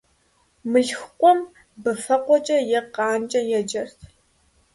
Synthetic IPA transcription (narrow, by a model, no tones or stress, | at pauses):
mɨɬxqʷʼɔm | bɨfɐqʷɔt͡ʃʼɐjɛqɑːnt͡ʃʼɐjɛd͡ʒɐrtʰ